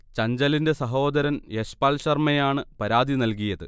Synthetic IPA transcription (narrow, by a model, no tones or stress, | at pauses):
t͡ɕɐɲd͡ʑɐlinde̞sɐɦoːd̪ɐɾɐnjeɕpaːlɕɐrmɐjaːɳɨpɐɾaːd̪ʱinɐlkijɐðɨ